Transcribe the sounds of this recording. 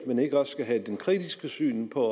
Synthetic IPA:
mæne̝ɡ̥əɒ̽ssɡ̥æɦæd̥enkʰʁid̥isɡ̥əsy̰ːnpʰɒ

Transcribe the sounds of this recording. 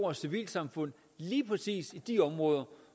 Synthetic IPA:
ɒsiʋḭːlsɑ̈mfɔ̽n̰ | liːpʰʁɛsḭːsid̥iɒ̽mʁɔ̽ːðˠɐ

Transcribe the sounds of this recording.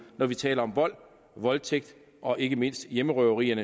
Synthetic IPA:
nɒʋit͡sʰɛ̰ːlɐɒ̽mʋɒ̽l̰ | ʋɒ̽lt͡sʰeɡ̥̚d̥ | ʔɒ̽ʔe̝ɡ̥əme̝n̰sd̥jeməʁœʊʁiːɐnə

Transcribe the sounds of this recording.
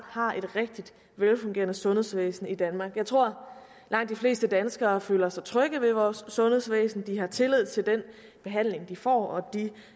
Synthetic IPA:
hɑ̈ʔe̝d̥ʁeɡ̥̚d̥id̥ | ʋelfɔ̽ŋɡe̝̰ːɐnəsɔ̽nhe̝̰sʋḛːsn̩id̥ænmɑ̈ːɡ̥jɑ̈ɪt͡sʰʁo̝ɐ̰ | lɑ̈ŋ̰d̥ifle̝̰ːsd̥əd̥ænsɡ̥ɐːfø̰ːlɐsɑ̈ɪt͡sʰʁœɡ̥ðˠʋe̝ʋɒːsːɔ̽ne̝ð̰ˠsʋḛːsn̩d̥iɦɑ̈t͡sʰe̝leð̰ˠt͡sʰe̝ld̥en | b̥e̝ɦæn̰le̝ŋd̥ifɒ̰ːɒ̽d̥i

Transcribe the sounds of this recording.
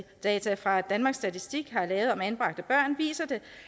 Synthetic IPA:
d̥ɛːt͡sʰæfʁɑ̈d̥ænmɑ̈ːɡ̥sːd̥æt͡sʰisd̥iɡ̥ɦɑ̈lɛːʊð̩ˠɒ̽mænb̥ʁɑ̈ɡ̥̚d̥əb̥ɶɐ̰nʋḭːsɐd̥e̝

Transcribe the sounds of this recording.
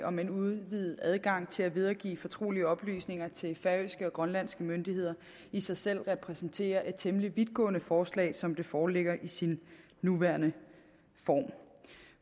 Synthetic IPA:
ɒ̽mænuðˠʋið̩ˠæðˠɡ̥ɑ̈ŋ̰t͡sʰe̝læʋe̝ð̞ˠɐɡ̥ḭːfɒ̽t͡sʰʁo̝̰ːliəɒ̽b̥ly̰ːsne̝ŋɐt͡sʰe̝lfɛøsɡ̥əɒ̽ɡ̥ʁɶnlæn̰sɡ̥əmønd̥iɦhe̝ð̞̰ˠɐ | isɑ̈ɪsel̰ʁɛpʰʁɛsn̩t͡sʰe̝̰ːɐʔe̝d̥̚t͡sʰemliʋiðˠɡ̥ɔ̰ːnəfɒːslɛ̰ːɪsɒ̽md̥e̝fɒːle̝ɡ̥ɐʔisinː | uʋæɐnə | fɒ̰ːm

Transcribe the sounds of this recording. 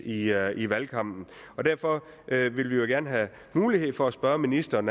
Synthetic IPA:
iiʋælkʰɑ̈m̰d̥n̩ɒ̽d̥æɐfɒ̽ | ʔøʋe̝lʋijo̝ɡ̥æɐnɦæ | muːlihe̝ð̞̰ˠfɒ̽æsb̥ɶɐminisd̥ɐːn

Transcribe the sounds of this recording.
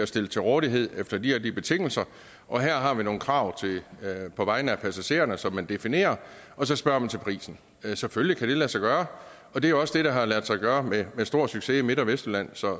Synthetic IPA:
æsd̥e̝lət͡sʰe̝ʁɔːðˠiɦe̝ð̞̰ˠefd̥ɐd̥ihæɐd̥ib̥e̝t͡sʰe̝ŋ̰l̩sɐ | ʔɒ̽ɦæɐ̰ɦɑ̈ʋino̝ːn̩kʰʁɑ̈ʊ̰t͡sʰe̝pʰɒ̽ʋɑ̈ɪnəæpʰæsæɕe̝̰ːɐnəsɒ̽mːænd̥e̝fine̝̰ːɐ | ɒ̽s̬ɒ̽sb̥ɶɐ̰mænt͡sʰe̝lpʰʁḭːsn̩ | seføllikʰæɾ̥e̝læsɑ̈ɪɡ̥ɶːɐ | ɒ̽d̥e̝æjo̝ɒ̽sd̥e̝ɾ̥ɑ̈ɦɑ̈læɐd̥sɑ̈ɪɡ̥ɶːɐmemesd̥o̝ɐ̰syɡ̥se̝ime̝d̥ɒʋesd̥əlæn̰sɒ̽

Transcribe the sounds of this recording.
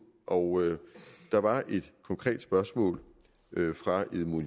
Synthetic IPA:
ʔɒʊød̥ɑ̈ʋɑ̈ʔe̝d̥kʰɒ̽ŋkʰʁɛ̰ːd̥sb̥ɶɐsmɔ̰̽ːl | fʁɑ̈eðˠmon

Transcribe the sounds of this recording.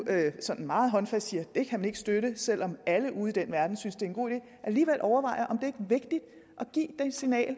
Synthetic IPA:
øsɒ̽n̰n̩mɑ̈ːð̞̩ˠɦɒ̽nfæsd̥siːɐd̥e̝kʰæmæne̝ɡ̥əsd̥øɾəsel̰ɒ̽mæləʔuːð̩ˠid̥enʋæɐd̥n̩synsd̥e̝æenɡo̝̰ːid̥ḛː | ʔæliːʋel̰ʔɒʊɐʋɑ̈ɪ̰ɐʔɒ̽md̥e̝ɐe̝ɡ̥əʋe̝ɡ̥̚d̥id̥ | ʔɒ̽ɡ̥ḭːd̥ensinɛ̰ːl

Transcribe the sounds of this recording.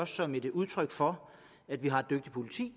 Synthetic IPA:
ɒ̽sːɒ̽me̝d̥uð̞ˠt͡sʰʁœɡ̥fɒ̽ | æd̥ʋiɦɑ̈e̝d̥øɡ̥d̥ipʰo̝lit͡sʰḭː

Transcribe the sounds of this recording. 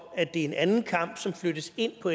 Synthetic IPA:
æd̥e̝æɐe̝nænn̩kʰɑ̈m̰b̥sɒ̽mflødɾ̥əse̝n̰pʰɒ̽e

